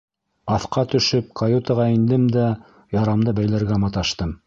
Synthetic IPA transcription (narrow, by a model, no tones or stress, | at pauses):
ɑθqɑt̪ɵ̆ʃɵp̚kʰɑjut̪ɑʁɑind̪ɘmd̪æ | jɑɾɑmd̪ɤbæjlæɾɡæmɑt̪ɑʃt̪ɤm